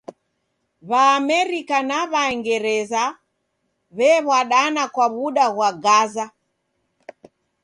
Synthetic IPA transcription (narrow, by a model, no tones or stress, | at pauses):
βaːmɛɾikanaβaɛŋɡɛɾɛza | βɛβwaɗanakwaβuɗaɣwaɡaza